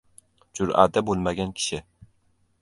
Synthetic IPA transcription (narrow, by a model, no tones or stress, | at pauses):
d͡ʒʊɾa̰d̪abolˠmaɡʲankʲʰɪ̥ʃɪ